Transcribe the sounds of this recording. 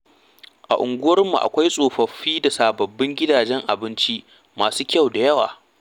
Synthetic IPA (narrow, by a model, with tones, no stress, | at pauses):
ʔa˨ʔʊ˨ŋɡʷʊ˦wɐ˦rmṵ˨ʔa̰˨kʷa˦jsʼoː˨ɸɐ˨ɸiː˦da˨saː˨bɐ˨bːɪ˦ŋɡʲɪ˦daː˨d͡ʒɛ˦ŋʔa˨bɪ˦nt͡ʃi˦ʔ | maː˨suː˦kʲɐ˦˨wda˨jɐ˦wa̰ː˨